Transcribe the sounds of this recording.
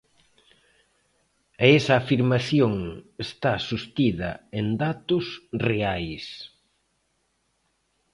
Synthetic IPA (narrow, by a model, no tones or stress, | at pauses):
aɛsɐːfiɾmaθjoŋest̪asust̪iðɐ̰end̪at̪ʊsreajs